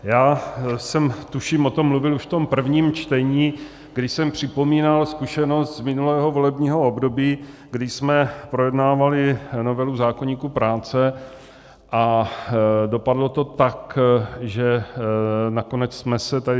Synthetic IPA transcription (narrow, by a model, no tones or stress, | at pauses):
jaːsɛmt̪uʃiːmʔot̪omːluvɪluʃft̪o̞mpr̩vɲiːmt͡ʃt̪ɛɲiː | ɡdɪʃsɛmpr̝̥ɪpo̞miːnalskuʃɛno̞st̪zmɪnulɛːɦo̞vo̞lɛbɲiːɦo̞obdo̞biːɡdɪsmɛpɾojɛdnaːvalɪno̞vɛluzaːkoɲiːkupɾaːt͡sɛ | ʔa | do̞padlo̞t̪o̞t̪akʒɛ | nako̞nɛt͡ssmɛsɛt̪adɪ